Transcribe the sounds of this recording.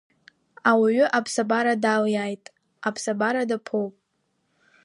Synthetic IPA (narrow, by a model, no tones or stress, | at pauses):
awiɥʏʔapʰsabaɾadaljajtʼ | apʰsabaɾadapʰowpʼ